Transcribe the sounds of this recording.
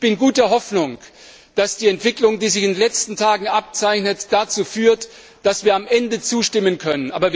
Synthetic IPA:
b̥ɪnɡuːt̚deɐɦɔfnʊŋ | d̥asd̥iːɛntv̥ɪklʊŋdiːzɪçɪndenlɛt͡stn̩tʰaːɡŋ̩ʔap̚t͡saɪçnətd̥at͡suːfyːɐt | d̥asv̥iːɐamʔɛndət͡suːʃtɪmənkʰœnənʔa̰ːbɐv

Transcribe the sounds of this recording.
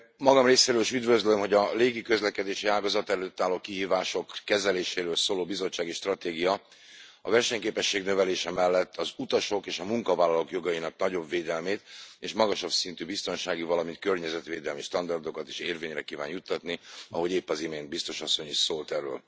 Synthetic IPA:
mɒɡɒmreːseːɾøːliʃyd̪vøzlømɦo̞ɟɒleːɡikø̞zlɛkɛd̪eːʃiaːlɡɒzɒt̪ɛlːøːt̪ːaːlːoːkiɦiːvaːʃo̞kːɛzɛleːʃeːɾøːlsoːloːbizo̞t͡ʃːaːɡiʃt̪rɒt̪eːɡijɒ | ɒ̰vɛrʃɛɲkeːpɛʃːeːɡnø̞vɛleːʃɛmɛlːɛt̪ʰːɒzut̪ɒʃo̞keːʃɒmuŋkɒvaːlɒlokjo̞ɡɒjinɒknɒɟo̞bveːd̪ɛlmeːt̪eːʃmɒɡɒʃɒbsint̪ybist̪o̞nʃaːɡivɒlɒmint̪̚kørɲɛzɛt̪ʋeːd̪ɛlmiʃt̪ɒnd̪ɒrd̪o̞kɒt̪e̥ːʃeːrveːɲrɛkiːva̰ːnjut̪ːɒt̪niɒɦo̞ɟeːpːɒzimeːnd̪̚bist̪o̞ʃɒsːo̞ɲiʃsoːlt̪ɛrːø̰ːl

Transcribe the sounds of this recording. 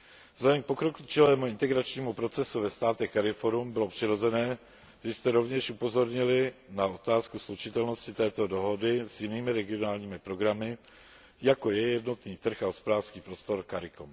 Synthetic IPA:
zaimpo̞kɾokut͡ʃɪlɛːmuɪnt̪ɛɡɾat͡ʃɲiːmupɾo̞t͡sɛsuvɛst̪aːt̪ɛxkaɾɪfoɾumbɪlo̞pr̥ɪɾo̞zɛnɛː | ʒɛst̪ɛɾo̞vɲɛʃʔupo̞zo̞ɾɲɪlɪnao̞t̪aːskuslut͡ʃɪt̪ɛlnoscɪt̪ɛːt̪o̞do̞ɦo̞dɪzjɪniːmɪɾɛɡɪo̞naːlɲiːmɪpɾo̞ɡɾamɪ | jako̞jɛjɛdno̞t̪niːt̪r̩xaɦospo̞daːrskiːpɾo̞st̪o̞ɾkaɾɪkom

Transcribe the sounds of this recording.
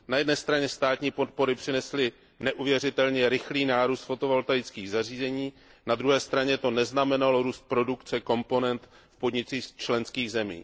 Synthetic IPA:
najɛdnɛːst̪ɾaɲɛst̪aːt̪ɲiːpo̞t̪̚po̞ɾɪpr̝̥ɪnɛslɪ | nɛʔuvjɛrɪt̪ɛlɲɛɾɪxliːnaːɾuːst̪fo̞t̪o̞volt̪ajɪt͡skiːɣzar̝iːzɛɲiː | nad̪ɾuɦɛːst̪ɾaɲɛt̪o̞nɛznamɛnaloɾuːst̪̚pɾo̞dukt͡sɛko̞mpo̞nɛnt̪ | fpo̞dɲɪt͡siːst͡ʃlɛnskiːɣzɛmḭː

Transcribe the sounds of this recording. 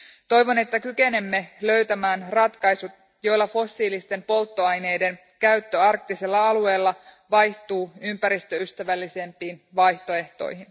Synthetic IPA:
t̪o̞jʋo̞ne̞t̪ːækyke̞ne̞mːe̞lø̞ɥt̪æmæːnrɑt̪kɑjsut̪̚ | jo̞jlːɑfo̞sːiːlist̪e̞mpo̞lt̪ːo̞ɑjne̞jde̞n | kæyt̪ːøɑrk̚t̪iselːɑɑlue̞ːlːɑ | ʋɑjht̪uːympæɾist̪øyst̪æʋælːise̞mpiːnʋɑjht̪o̞e̞ht̪o̞̰jhin

